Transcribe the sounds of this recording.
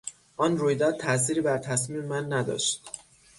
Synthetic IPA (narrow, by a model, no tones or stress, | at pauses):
ʔɒːnruːjd̪ɒːd̪̚t̪ʰːæs̬iːɾiːbæɾt̪ʰæsmiːmemænːæd̪ɒ̰ːʃt̪